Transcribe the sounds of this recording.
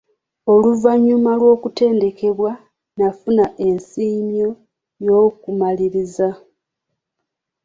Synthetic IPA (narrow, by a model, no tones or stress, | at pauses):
o̞luvaɲːumalwo̞ːkute̞ːnde̞ke̞βwa | nafunaʔe̞nsiːmjo̞ | jo̞ːkumaliɾiza